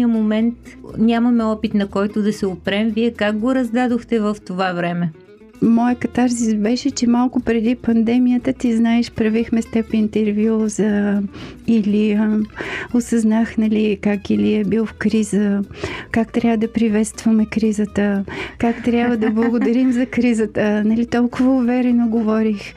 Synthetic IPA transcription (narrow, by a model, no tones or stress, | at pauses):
iəmomɛnt̪nʲamɐmɛɔpit̪nɐkɔjt̪od̪ɐsɛopɾɛmviɛkak̚ɡoɾɐzd̪ad̪oxt̪ɛvəft̪ovavɾɛmɛ | mɔjəkɐt̪aɾzibɛʃɛt͡ʃɛmalˠkʊpɾɛd̪ipɐnd̪ɛmijət̪ət̪iznaɛʃpɾɐvixmɛst̪ɛpint̪ɛɾvʲjuzə | iliəosɐznaxnɐlikakiliɛbilˠfkɾizəkakt̪ɾʲjavvəd̪ɐpɾivɛt̪st̪vɐmɛkɾizət̪əkakt̪ɾʲjabvəd̪ɐblˠɐɡod̪ɐɾimzɐkɾizət̪ənɐlit̪ɔlˠkʊvəʊvɛɾɛnoɡovɔɾix